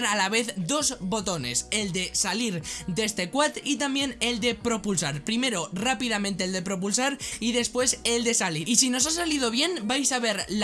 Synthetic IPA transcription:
ɾalaβe̞θd̪o̞zβo̞t̪o̞ne̞̰se̞ld̪e̞saliɾd̪e̞st̪ekwat̪it̪ambje̞ne̞ld̪e̞pɾo̞pulsaɾpɾime̞ɾorapiðamẽnt̪eld̪e̞pɾo̞p̬ulsaɾiðe̞spwe̞se̞ld̪e̞saliɾisino̞s̬asaliðo̞βje̞nbajsaβ̞e̞ɾl

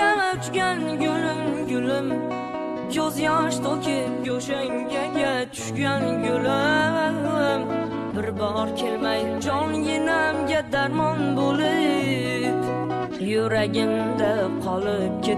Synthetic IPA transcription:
amaʊt͡ʃɡʲanjʲʊlɪmɡʊlɪm | kʲʰozjɒʃt̪ʰokʲʰɪjʲoʃaŋɡʲaɡʲat̪ʰʊ̥ʃɡʲanɡʊla | m | bɪɾbɒɾkʲʰelmajd͡ʒɒnjenamɡʲad̪aɾmɒnbolɪ | p | jʊɾaɡʲɪmd̪aqʰɒlˠɪp̚kʲʰe

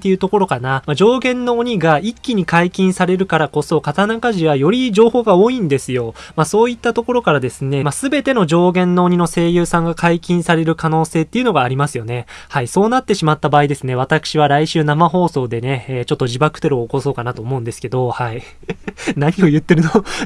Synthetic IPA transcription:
t̪ːe̞jɯ̟t̪o̞ko̞ɾo̞kanamad͡ʑo̞ːɡẽ̞nːo̞ːɲ̟iɡaikʲːiɲ̟ikaikʲĩɰ̃saɾe̞ɾɯ̟kaɾako̞so̞kat̪anakaʑiβajo̞ɾʲiʑo̞ːho̞ːɡao̞ːĩnd̪e̞sɨjo̞maso̞ːit̪ːat̪o̞ko̞ɾo̞kaɾad̪e̞sɨne̞masɨbe̞t̪e̞no̞ʑo̞ːɡẽ̞nːo̞ːɲ̟ino̞se̞ːjɯːsãŋɡakʰaikʲĩɰ̃saɾe̞ɾɯ̟kano̞ːse̞ːt̪ːeiɯ̟no̞ɡaːɾʲimasɨjo̞ne̞ | haiso̞ːnat̪ːe̞ɕimat̪ːabaːid̪e̞sɨne̞βat̪akɯ̥ɕiβaɾaiɕɨːnamaɦo̞ːso̞ːd̪e̞ne̞ːt͡ɕo̞t̪ːo̞ʑibakɯ̟̥t̪eɾɯ̟oːko̞so̞ːkanat̪o̞ːmo̞ɯ̟̃nd̪e̞sɨ̥ke̞d̪o̞hai | naɲ̟io̞jɯ̟t̪ːe̞ɾɯ̟no

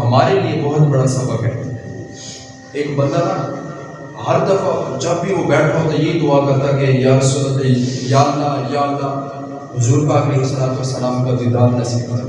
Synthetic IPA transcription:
ɦɐmaːɾeliebɐɦʊt̪bɐɽasɐbəkɦɛ̰ | ɪnbɐ̃nd̪əna | ɦɐɾd̪ɐfad͡ʒɐbbʱiʋobɛːʈʰat̪ojeid̪ʊakɐɾt̪akejɦɐɾsʊnːət̪ejaːld̪ajaːld̪a | ɦʊzuːɾkaːkɾiɦisɐlaːt̪osɐlaːmkad̪id̪aːnnasiːkt̪a

